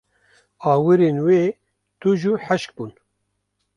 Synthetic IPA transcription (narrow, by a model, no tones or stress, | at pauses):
ɑːwɨɾeːnweː | t̪uʒuħæʃk̚buːn